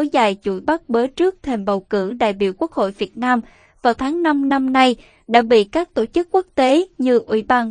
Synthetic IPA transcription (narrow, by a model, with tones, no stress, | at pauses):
zaː˨˩jt͡ɕṵ˧˩ɓa˦˥t̚ɓəː˨˦jt͡ɕɨ˦˥ək̚t̪ʰe˨˩mɓə˨˩wkɨ̰˧˩ɗa̰ː˧˨jɓḭ˧˨əwku˦˥ək̚ho̰˧˨jvi˨˩ət̚naː˧m | vaː˨˩wt̪ʰaː˨˦ŋna˧mna˧mna˧j | ɗa̰ː˧˥ɓḭ˧˨kaː˦˥k̚t̪o̰˧˩t͡ɕɨ˦˥kːu˦˥ək̚t̪e˨˦ɲɨ˧ʔwḭ˧˥ɓaː˧